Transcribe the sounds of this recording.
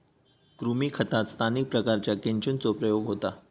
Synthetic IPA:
kɾumiːkʰət̪at̪st̪ʰanik̚pɾəkaɾt͡ɕjakeɲt͡ɕunt͡sopɾəjoɡɦot̪a

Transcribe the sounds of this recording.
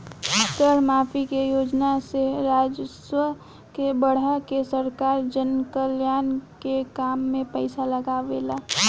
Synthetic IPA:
t̪əɾmaːpʰikejoːd͡ʒnaseɾaːd͡ʒswə | kebəɽ̤akesəɾkaːɾd͡ʒənkəljaːnkekaːmːẽpəɪsaləɡaʋelaː

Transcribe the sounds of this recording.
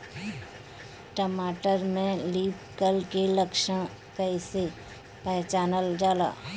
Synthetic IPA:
ʈəmaːʈəɾmẽliːpkəlkeləkʃə | pɛɪse | pɛːt͡ʃaːnəld͡ʒaːla̰ː

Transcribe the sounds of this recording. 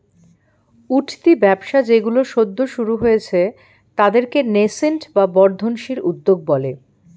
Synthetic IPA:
uʈʰt̪ibɛbʃad͡ʑeɡuloʃod̪ʱːoʃuɾuɦojet͡ɕʰe | t̪ad̪eɾkenesenʈbabɔɾd̪ʱonʃiɾud̪ːoɡ̚bɔle

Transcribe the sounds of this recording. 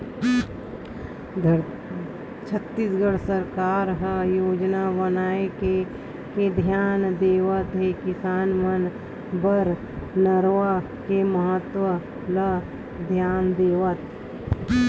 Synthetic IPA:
t͡ʃʰət̪ːisɡəɽsəɾkaːɾɦəjoːd͡ʒnabənaːeke | ked̪ʱjaːnd̪eːʋət̪ɦekɪsaːnmən | bəɾ | nəɾʋa | keməɦət̪wə | lə | d̪ʱjaːnd̪eːʋət̪

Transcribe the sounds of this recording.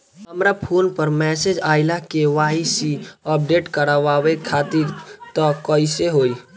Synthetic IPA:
ɦəmɾapʰoːnpəɾmɛːsed͡ʒaːɪlakeʋaːisiəp̚ɖeʈkəɾaʋawekʰaːt̪iɾt̪ɔkəiseɦoːi

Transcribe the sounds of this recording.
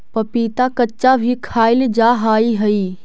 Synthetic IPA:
pɐpiːt̪akɐt͡ʃabʱikʰaːɪlɪd͡ʒaːɦaːiɦɐiː

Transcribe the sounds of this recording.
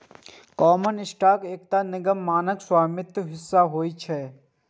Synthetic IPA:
kɔːmənɪsʈaːkeːk̚t̪anɪɡəmːaːnəkswaːmɪt̪ɦɪsːaɦoːit͡ʃʰɛː

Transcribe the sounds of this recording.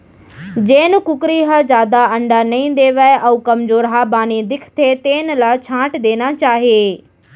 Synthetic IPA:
d͡ʑeːnɪ̆kʊkɾiɦɐzaːd̪aɐ̃ɳɖanɐĩnd̪eːʋɐeʔɐuːkɐmzoːɾɦabaːnid̪ɪkʰt̪ʰet̪eːnɪ̆laːt͡ɕʰãːʈd̪eːnat͡ɕaːɦieː

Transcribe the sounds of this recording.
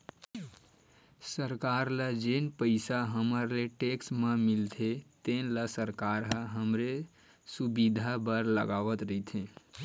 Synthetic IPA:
səɾkaɾləd͡ʒenpəɪsaɦəməɾleʈeksmemilt̪ʰet̪enləsəɾkaɾɦəɦəmɾe | subid̪ʱabəɾlə̰ɡaʋət̪ɾəit̪ʰẽ

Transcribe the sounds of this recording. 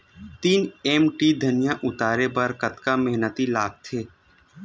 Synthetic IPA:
t̪iːnɛːmʈiːd̪ʱɐnɪjãʔʊt̪aːɾebəɾkɐt̪kamɛɦnət̪ilaːɡ̚t̪ʰeː

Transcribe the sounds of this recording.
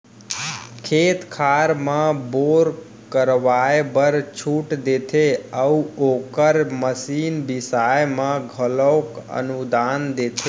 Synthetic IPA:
kʰeːt̪kʰaɾmãboɾ | kəɾʋajebəɾt͡ʃʰuːʈd̪eːt̪ʰeəoːkəɾməsiːnbɪsajmãɡʱələkə̰nud̪aːnd̪eːt̪ʰe

